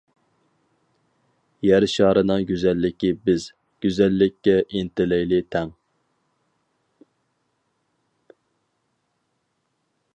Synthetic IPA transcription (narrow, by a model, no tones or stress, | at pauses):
jæɾʃɑːɾɨnɨŋɡʲyzælːɪkʲibɪz | ɡ̥ʲyzælːɪkʲːɛʔint̪ɪlɪjlɪt̪ʰɛŋ